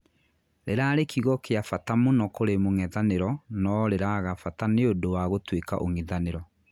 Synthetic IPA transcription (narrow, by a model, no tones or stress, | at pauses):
ɾeɾaɾekʰiɣɔkeafatamonɔkoɾemoŋɛðaneɾɔnɔɾeɾaɣafataneodowaɣotweka̰ʔoŋiðaneɾɔ